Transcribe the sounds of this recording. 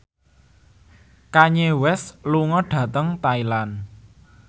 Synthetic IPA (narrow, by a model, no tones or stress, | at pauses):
kaɲewɛsluŋɔɖ̥ä̤t̪əŋt̪ailan